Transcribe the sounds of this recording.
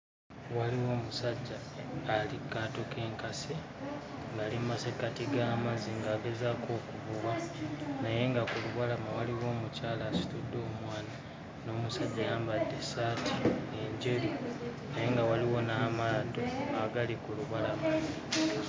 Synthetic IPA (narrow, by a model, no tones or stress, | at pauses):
waliwo̞ːmusaɟːaːlikatokʰe̞ːŋkase | ŋɡaːlimmasekatiɡaːmaziŋɡaːɡe̞zako̞ːkuβuwanaje̞ŋɡakuluβalamawaliwo̞ːmucaːlaːsi̥tudːo̞ːmwaːna | no̞ːmusaɟːajaːmbadːe̞saːtʰieɲɟe̞ɾu | najeŋɡawaliwo̞naːmaːdoaɡalikuluβalama